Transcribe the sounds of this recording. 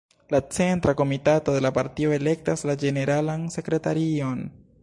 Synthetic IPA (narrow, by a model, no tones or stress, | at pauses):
lat͡se̞ntɾako̞mitato̞d̪e̞lapaɾtio̞e̞le̞k̚taslad͡ʒe̞ne̞ɾalanse̞kɾe̞taɾio̞n